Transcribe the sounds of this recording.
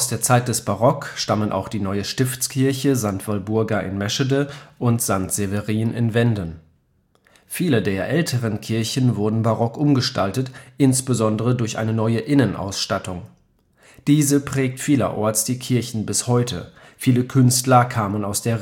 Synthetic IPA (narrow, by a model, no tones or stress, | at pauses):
ʔʔaʊsd̥eːɐt͡saɪt̚d̥ɛsb̥aʁɔkʃtamənʔa̰ʊxd̥iːnɔʏəʃtɪft͡skʰɪɐçəzantv̥albʊɐɡɐʔɪ̰nmɛʃədəʔʊntz̥antz̥evəʁiːənʔɪ̰nvɛndən | fiːlədeːɐʔɛltʰəʁ̞ənkʰɪɐçn̩vʊɐdn̩baʁɔkʔʊmɡəʃtaltətʔɪnsb̥əzɔndəʁədʊɐçʔa̰ɪnənɔʏəʔɪnənʔa̰ʊsʃtatʊŋ | d̥iːzəpʁ̥ɛːk̚tfiːlɐ̰ʔɔɐt͡sd̥iːkʰɪɐçn̩bɪshɔʏtʰə̰ | fiːləkʰʏnstlɐkʰaːmənaʊsd̥eːɐ